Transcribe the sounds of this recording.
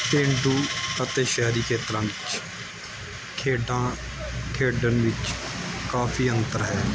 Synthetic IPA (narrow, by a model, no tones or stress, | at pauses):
pẽːɳɖuːət̪eːʃɛːɾiːkʰeːt̪ɾãːʋɪt͡ʃ | kʰeːɖãː | kʰeːɖənʋɪt͡ʃkaːfʰiːənt̪əɾɦɛː